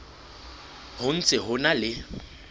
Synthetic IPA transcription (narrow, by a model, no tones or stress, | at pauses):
hʊn̩t͡sʼɪɦʊnalɪ